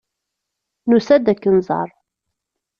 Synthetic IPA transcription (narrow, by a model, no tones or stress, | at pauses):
nusæd̪ækːənzˤɑ̰ɾˤ